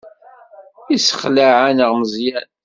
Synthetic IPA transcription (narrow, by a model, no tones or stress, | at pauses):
isə̥χlaʕanəʁməzjæn